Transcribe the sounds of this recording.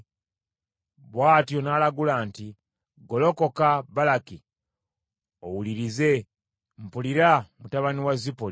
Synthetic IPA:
βwaːtjo̞naːlaɡulaːnti | ɡo̞lo̞ko̞kabalaki | owuliɾize̞ | m̩puliɾamutaβaniwazipol

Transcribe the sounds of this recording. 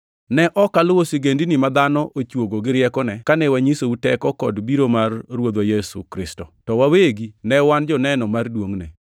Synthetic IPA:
nɛʔɔkalwosiɡendinɪmad̪anɔʔot͡ʃwoɡoɡɪɾɪjɛkɔnɛkanɛwaɲisoutɛkɔkɔdbiɾomarːwod̪wajɛsṵkɾɪstɔtɔwaweɡinɛwand͡ʒɔnɛnɔmardwoŋnɛ̰

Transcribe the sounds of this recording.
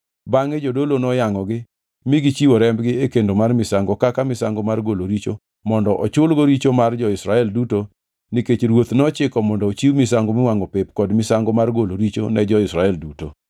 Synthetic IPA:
baŋed͡ʒodolonɔjaŋɔɡɪ | mɪɡit͡ʃiwɔɾɛmbɡɪekendomarmɪsaŋɡɔkakamɪsaŋɡomarɡoloɾit͡ʃo | mɔndɔʔɔt͡ʃʊlɡoɾit͡ʃomard͡ʒɔɪsɾaɛlduto | niket͡ʃɾwot̪nɔt͡ʃɪkɔmɔndɔːt͡ʃiwmɪsaŋɡomɪwaŋɔpepkɔdmɪsaŋɡɔmarɡoloɾit͡ʃo̰nɛd͡ʒɔɪsɾaɛlduto

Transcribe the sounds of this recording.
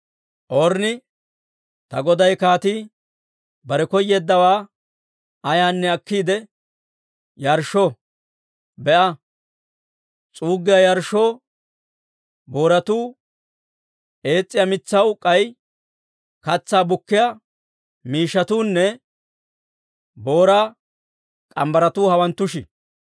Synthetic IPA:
ʔɔɾnɪ | t̪ɐɡɔd̪ɐjkaːt̪iː | bɐɾɛkɔjːeːd̪ːɐwaː | ɐjaːnːɛɐkːiːd̪ɛ | jɐɾʃo | bɛʔɐ | t͡sʼuːɡːɪjɐjɐɾʃo̞ː | bo̞ːɾɐt̪uː | ʔe̞ːt͡sʼːɪjɐmɪt͡sːɐwkʼɐj | kɐt͡sːaːbʊkːɪja | miːʃːɐt̪uːnːɛ | bo̞ːɾaː | kʼɐmbɐɾɐt̪uːhɐwɐnt̪ːʊʃɪ

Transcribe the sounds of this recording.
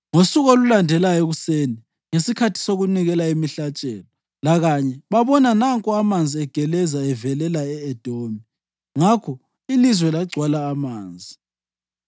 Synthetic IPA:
ŋosuɣolulandʱɛlajoɣuseni | ŋesikʰatʰi̥soɣuniɣɛlaimiɬat͡ʃʼɛ̰ːlɔ | laɣaɲɛβaβɔnanaŋkʼɔamand͡zʱiɛɡ̥ʱɛlɛzaɛvɛlɛlaɛɛd̥ʱoːmi | ŋakʰɔ | ilizwɛlaɡ͡ǀʱwalaːmaːnd͡zʱi

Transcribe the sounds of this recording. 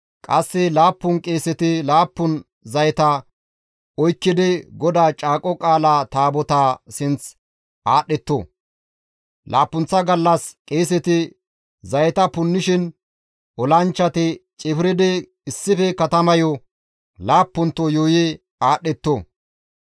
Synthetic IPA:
kʼɐsːɪlaːpːʊnkʼe̞ːsɛt̪ɪlaːpːʊn | zɐjt̪ɐ | ɔjkːɪd̪ɛɡɔd̪aːt͡ʃʼaːkʼɔkʼaːlaːt̪aːbɔt̪aːsɪnt͡s | ʔaːɗɛt̪ːo̰ | lʔa̰ːpːʊnt͡sːɐɡɐlːɐskʼeːs̬ɛt̪ɪ | zɐjɛt̪ɐpʊnːɪʃɪn | ʔɔlɐnt͡ʃːɐt̪ɪt͡ʃʼɪfɾɪd̪ɛ | ɪsːɪfɛkɐt̪ɐmɐjɔ | laːpːʊnt̪ːɔjoːjɛ | aːɗːɛt̪ːo

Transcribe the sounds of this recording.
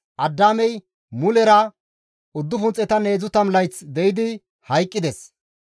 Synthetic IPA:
ʔɐd̪ːaːmɛj | mʊlɛɾɐ | ʊd̪ːʊfʊnt͡sʼːɛt̪ɐne̞ːzʊt̪ɐmlɐjt͡sd̪ɛjɪd̪ɪ | hɐjkʼːɪd̪ɛs

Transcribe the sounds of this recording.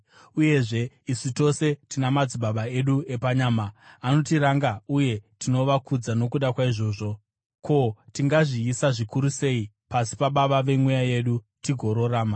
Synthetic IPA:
uje̞ʐe̞ | isito̞se̞tinamad͡ziɓaɓaeɗue̞paɲaːmaːno̞tiɾaŋɡauje̞tino̞ʋakud͡zano̞kuɗakwaiʐo̞ːʐo̞ | kʰo̞tiŋɡaʐiːsaʐikuɾuse̞i | pasi̥paɓaʋaʋe̞mwejaje̞ɗu | tiɡʱo̞ɾo̞raːma

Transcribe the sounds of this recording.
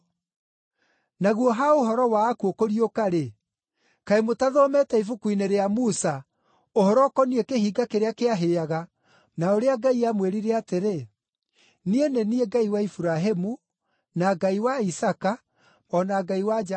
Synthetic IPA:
naɣwɔɦaoɦɔɾɔwaːkuokoɾiokaɾe | kaemotaðɔmɛtɛifukuineɾeamusa | ohɔɾɔkɔniekeɦiɡakeɾeakeaɦeaɣa | naoɾeaɡaiamweɾiɾɛateɾe | nienenieɡaiwaifuɾaɦemu | naɡaiwaisaka | ɔnaɡaiwad͡ʒ

